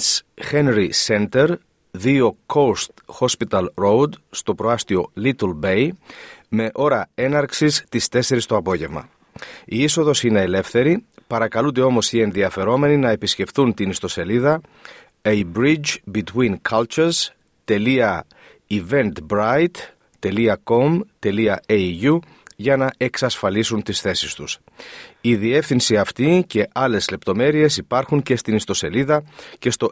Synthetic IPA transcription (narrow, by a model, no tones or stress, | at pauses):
sxe̞nɾise̞nt̪e̞ɾ | ðio̞kʰo̞st̪xo̞spit̪ɐlɾowd̪st̪o̞pɾo̞ɐst̪io̞lit̪lbe̞jme̞ʔo̞ɾɐe̞nɐɾksist̪ist̪e̞se̞ɾist̪o̞ɐpo̞ʝe̞vmɐ̰ | iiso̞ðo̞sine̞ːle̞fθe̞ɾipɐɾɐkɐlud̪e̞o̞mo̞sie̞nðiɐfe̞ɾo̞me̞ninɐe̞pisce̞fθunt̪inist̪o̞se̞liðɐ | ejbɾid͡ʒbit̪wiŋkʰɐlt͡ʃuɾz | t̪e̞liɐ | ive̞nt̪bɾajt̪ː | e̞liɐko̞mt̪e̞liɐeʝu | ʝɐnɐe̞ksɐsfɐlisunt̪isθe̞sist̪us | iðie̞fθinsiɐft̪ice̞ʔɐle̞zle̞pt̪o̞me̞ɾie̞sipɐɾxuɲce̞st̪inist̪o̞se̞liðɐce̞st̪o̞